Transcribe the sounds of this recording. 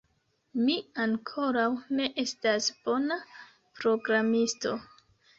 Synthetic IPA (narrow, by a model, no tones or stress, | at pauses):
miaŋkʰo̞ɾawne̞ʔe̞stasb̥o̞na | pɾo̞ɡɾamisto̞